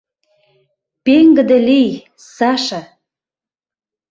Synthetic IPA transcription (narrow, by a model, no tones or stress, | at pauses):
peŋɡə̆d̪ĕlij | sɑʃɑ